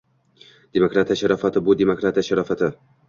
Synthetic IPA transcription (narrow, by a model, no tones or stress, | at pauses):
d̪̥emokɾat̪ʰijaʃaɾɒfat̪ʰɪbʊd̪emokɾat̪ijaʃaɾɒfat̪ʰɪ